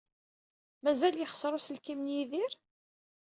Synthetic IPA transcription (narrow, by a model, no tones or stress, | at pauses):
mæzæljəχsˤɾˤusəlkimnjiðiɾ